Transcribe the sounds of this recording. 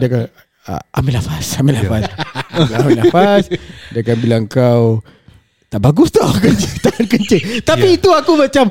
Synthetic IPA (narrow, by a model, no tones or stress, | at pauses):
daka̰ | ʔamilafasamilafasbilaamlafasdakanbilaŋkaw | t̪aʔbaɡust̪ɔhkəɲt͡ʃet̪aŋnkəɲt͡ʃet̪apiːt̪uakumãt͡ʃam